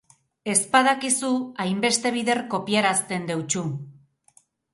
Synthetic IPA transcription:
e̞spað̞akisuajmbe̞st̪e̞β̞iðe̞rko̞piaɾast̪e̞nd̪e̞wt͡ʃu

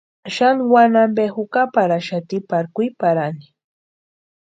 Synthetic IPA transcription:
ʃanwanambexʊkapaɾaʃat̪ɪpaɾkʊjpaɾanɪ

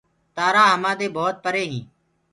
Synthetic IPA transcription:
t̪aːɾaːɦəmãːd̪eːboːt̪̚pəɾeːɦĩː

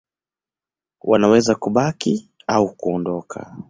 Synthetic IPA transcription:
wanawɛzakuɓaki | aukuɔndɔkʰa̰

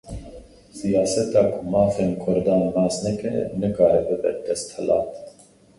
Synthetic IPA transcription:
sijaːsɛt̪ɑːkʰumɑːfeːnkʰɔɾd̪ɑːnnɑːsnɛkɛ̰nɨkaːɾɛbɨbɛ̰d̪̥ɛst̪hɛlɑ̰ːt̪

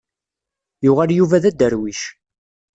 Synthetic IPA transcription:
jʊʁaljuvæðæd̪ːəɾwiʃ

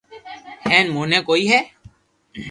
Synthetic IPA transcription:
hɛːnmoːnẽːkoːiːɦɛː

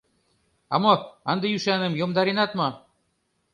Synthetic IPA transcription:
ɑmoɑnd̪ejyʃɑnə̆mjomd̪ɑɾinɑt̪mɑ

